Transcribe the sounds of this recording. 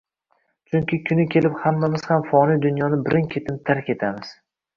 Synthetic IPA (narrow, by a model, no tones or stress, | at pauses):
t͡ʃʰʊŋkʲʰɪkʲʰʊnɪkʲʰe̞lɪphamːamɪz̥hamfɒnijd̪ʊnjɒnɪbɪɾʔɪŋkʲʰe̞t̪ʰɪpt̪ʰaɾkʲe̞t̪ʰamɪz̥